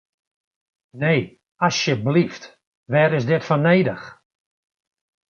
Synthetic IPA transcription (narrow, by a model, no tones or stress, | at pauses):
neː | asjəblift | ʋɛːɾɪsdɪtfɔneːdəx